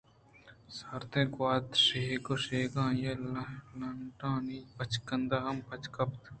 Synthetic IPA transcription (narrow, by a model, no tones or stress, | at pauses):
saɾt̪ẽkwaːd̪ʃeɦekoʃeːɡãːjɐlɐlɐɳʈãːnipɐt͡ʃkɐnd̪aɦɐmpɐt͡ʃkɐpt̪